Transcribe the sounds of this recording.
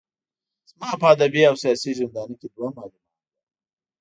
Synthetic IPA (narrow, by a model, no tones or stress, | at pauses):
z̥mɑːpəːd̪abiawsijɑːsizɪnd̪ɑːniked̪wamɑːlumɑt̪ | a